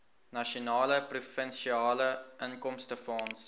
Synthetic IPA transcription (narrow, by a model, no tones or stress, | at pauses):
nɐʃionɑːləprufənʃiɑːləʔəŋkɔmstəfɑːns